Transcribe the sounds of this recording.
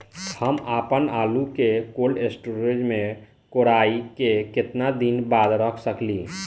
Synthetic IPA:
həmapənalukekolesʈuɾed͡ʒmẽ | koɾaikeket̪nad̪inbad̪ɾəkʰsəkli

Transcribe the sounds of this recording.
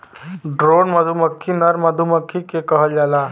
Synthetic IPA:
ɖɾonməd̪ʱuməkʰːinəɾməd̪ʱuməkʰːikekəɦəld͡ʒala

